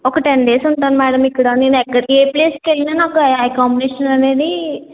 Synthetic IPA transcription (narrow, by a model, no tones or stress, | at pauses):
ɔkɐʈeɳɖe̞ːsuɳʈaːnmɛːɽɐmikːɐɽaːneːnuɛkːɐɽeːpleːskelːinaːnaːkuɐjkaːmbiniːʃɐnɐne̞ːd̪i